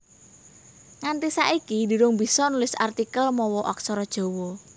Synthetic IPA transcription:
ŋant̪isa̰ʔikidi̤ɾʊŋbi̤sɔnulɪsa̰rt̪ikəlmɔwɔʔɔksɔɾɔd̥ʒ̥o̤wɔ

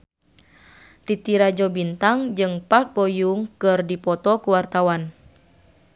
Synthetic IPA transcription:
t̪it̪iɾad͡ʒɔbint̪aŋd͡ʒɨŋpat̪̚bɔjuŋkɨrdipɔt̪ɔkuwart̪awan

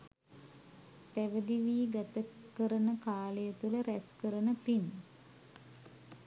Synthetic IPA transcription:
t̪æʋəd̪iʋiːɡat̪əkəɾənəkaːləjət̪uləɾæskəɾənəpin

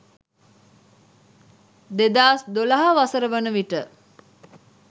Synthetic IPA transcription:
d̪ed̪aːsd̪olaɦaʋasəɾəʋənəʋiʈə

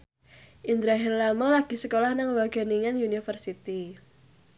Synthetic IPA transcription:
ʔind̪ɾaɦɛrlamɔlaɡ̥i̤səkolahnaŋwaɡ̥a̤niŋanjunifərsit̪i

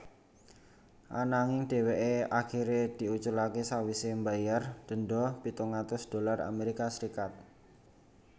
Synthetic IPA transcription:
ʔa̰naŋɪŋɖ̥e̤weʔeakiɾed̪̥i̤ut͡ʃʊlakesawisembajard̪̥ə̤nɖɔpit̪uŋat̪ʊsd̪̥o̤lara̰meɾikasɾikat̪̚

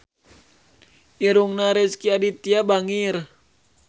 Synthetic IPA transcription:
ʔiɾuŋnaɾɛskiadit̪iabaŋir

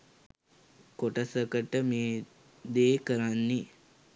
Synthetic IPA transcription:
koʈəsəkəʈəmeː | d̪eːkəɾanːi

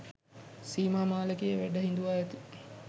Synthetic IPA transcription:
siːmaːmaːləkejəʋæɖəɦind̪uʋaːɛt̪i̥

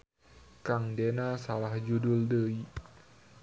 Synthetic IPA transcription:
kaŋdenasalahd͡ʒudʊldəi

